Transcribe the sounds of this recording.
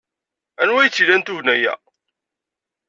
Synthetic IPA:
ænwæjət͡sːilænt̪uʝnæjæ̰

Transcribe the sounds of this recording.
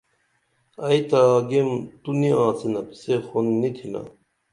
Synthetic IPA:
ɐjt̪aːɡemt̪uniãːsenɐpi̥sexonːit̪ʰila̰

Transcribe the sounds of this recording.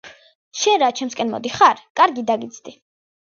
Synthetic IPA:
ʃɛnɾat͡ʃʰɛmskʼɛnmɔ̰d̪iχaɾkʼaɾɡid̪aɡit̪sʰʼd̪i

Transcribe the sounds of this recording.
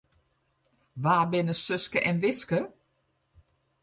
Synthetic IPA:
ʋaːbɪnəsʏskəʔɛnʋɪskə

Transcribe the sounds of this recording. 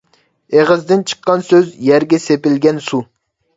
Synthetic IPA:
eʁəzd̪ɪnt͡ʃʰə̥qʰːɑnsøzjɛɾɡʲɛsepɪlɡʲɛnsu

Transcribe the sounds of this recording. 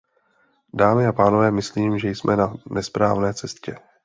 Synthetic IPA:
daːmɪapaːno̞vɛːmɪsliːmʒɛjsmʔɛnanʔɛspɾaːvnɛːt͡sɛscɛ

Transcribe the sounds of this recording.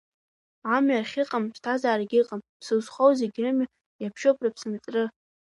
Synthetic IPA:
amɥarχʲɪqʼamʃtʰazaːraɡʲiqʼampʰsɨwsχowzeɡʲrɨma | japʰʃopʰʼrapʰsɨmt͡sʼrɨ

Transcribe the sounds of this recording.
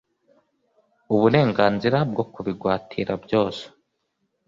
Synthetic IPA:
uβuɾe̞ːŋɡaːnziɾab̚ɡo̞kuβiɡwaːtʰiɾabjo̞ːse̥

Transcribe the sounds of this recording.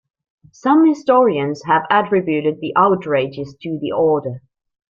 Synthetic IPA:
sʌ̃mhɪstɔɹiɨ̃nz̥ɦəvætɹ̥ɪbjʉɾɨd̪̚ðiʔaʊtʰɹeɪd͡ʒɪz̥tʰɨðḭʔɔɹɾə˞

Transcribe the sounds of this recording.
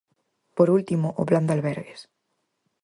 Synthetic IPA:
poɾult̪imoʔopland̪alβɛɾɣes

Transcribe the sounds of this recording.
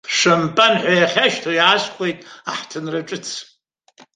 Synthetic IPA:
ʂampʼanħʷajaχʲaʃtʰajaːsχʷʼejtʼaħtʰɨnraʈ͡ʂʼɨt͡sʰ

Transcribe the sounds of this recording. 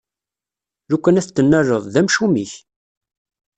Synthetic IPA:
ɾukʷːənæθt͡s̪ːənːərːəðˤðæmʃumiç

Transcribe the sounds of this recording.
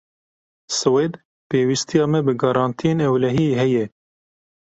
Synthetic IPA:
sɨwed̪ | peːwist̪ijɑːmɛbɨɡɑɾɑːnt̪ʰijeːnɛwlɛɦiɦɛjɛ

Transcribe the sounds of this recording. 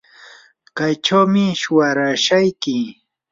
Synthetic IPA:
kajt͡ʃawmɪʃʊwaɾaʃajkɪ

